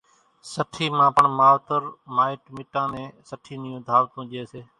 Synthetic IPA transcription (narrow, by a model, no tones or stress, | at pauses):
səʈʰiːmãːpəɳmaːlt̪əɾmaːɪʈmɪʈãːnẽːsəʈʰiːnɪjũːd̪ʱaːʋt̪ũːʄeːseː